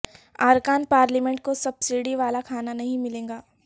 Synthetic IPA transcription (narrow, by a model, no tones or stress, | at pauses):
aːɾkaːnpaːɾlimẽɳʈ̚kosɐbsiɽiʋaːlakʰaːnanɐɦĩmɪlẽːŋɡaː